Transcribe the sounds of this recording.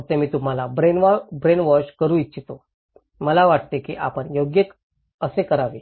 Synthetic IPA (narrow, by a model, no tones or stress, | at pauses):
t̪emiːt̪um̤alabɾenbɾenʋɔɕkəɾũːitːɕʰit̪o | məlaʋaʈt̪ekḭʔa̰pəɳjoɡjək | əsekəɾaʋe